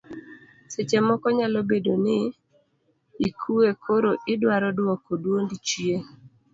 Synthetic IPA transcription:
set͡ʃemɔkɔɲalobedonɪ | ikʰuekʰoɾoʔɪdwaɾɔdwɔkodwondit͡ʃje

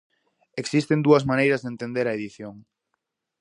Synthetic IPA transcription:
eksist̪end̪uɐzmanejɾɐzðent̪end̪eɾɐeðiθjoŋ

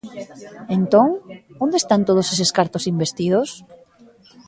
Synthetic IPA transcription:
ent̪oŋond̪eːst̪ant̪oð̞oseseskaɾt̪osimbest̪ið̞os

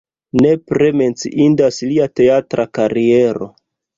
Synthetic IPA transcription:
ne̞pɾe̞me̞nt͡siʔindasliate̞atɾakaɾie̞ɾo̞̰

